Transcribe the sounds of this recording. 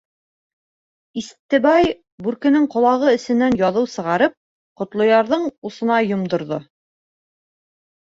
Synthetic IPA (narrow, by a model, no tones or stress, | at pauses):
ist̪ːɘ̆bɑj | bʉɾkɘ̆nɘŋqŏlˠɑʁɤɘ̆sɘ̆nːænjɑðɤwsɤ̆ʁɑɾɤp̚ | qŏt̪lˠŏjɑɾðɤɴusɤ̆nɑjŏmd̪ŏɾðo